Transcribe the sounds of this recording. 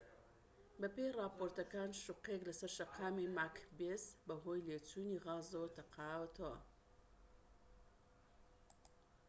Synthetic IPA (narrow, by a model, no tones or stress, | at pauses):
bəpeɾaːpoːɾt̪ɐkaːnʃʊqekləsɐɾʃɐqʰaːmemakʰbesbəɦojlet͡suniɣɑzot̪ɐqʰɑːwt̪ʰo